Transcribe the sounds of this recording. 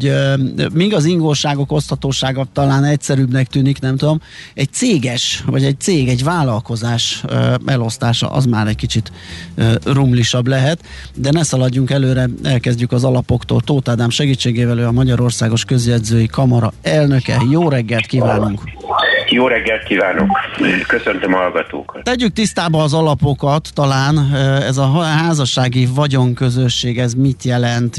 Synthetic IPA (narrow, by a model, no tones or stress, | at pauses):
miɡɒziŋɡolʃaːɡo̞ko̞st̪hɒt̪oːʃaːɡɒt̪ɒlaːnɛcsɛɾyːbnɛkt̪yːniknɛmt̪ud̪o̞mɛc̚t̪seːɡɛʃvɒɟɛc̚t̪seːɡɛɟvaːlɒlko̞zaːʃɛlo̞st̪aːʃɒ̰ʔɒ̰zmaːɾɛckit͡ʃit̪ː | rumliʃɒblɛɦɛt̪ | d̪ɛnɛsɒlɒɟːuŋkɛløːɾɛɛlkɛzɟykɒzɒlɒpo̞kt̪o̰ːlt̪oːt̪aːd̪aːmʃɛɡiːt͡ʃːeːɡeːvɛløːɒmɒɟɒɾo̞rsaːɡo̞ʃkø̞zjɛd̪zøːjikɒmɒɾɒɛlnø̞kɛ̰joːɾɛɡːɛlt̪kiːvaːnuŋkjoːɾɛɡːɛlt̪̚kiːvaːnokkøsønt̪ømhɒlɡɒt̪o̰ːkɒt̪t̪ɛɟːyk̚t̪ist̪aːbɒːzɒlɒpo̞kɒt̪ːɒlaːnɛzɒɦaːzɒʃaːɡivɒɟo̞ŋkø̞zø̞ʃːeːɡɛzmit̪jɛlɛnt̪